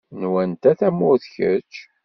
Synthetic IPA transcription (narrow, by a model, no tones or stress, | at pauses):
nwænt̪æθæmːʊθçə̰t͡ʃː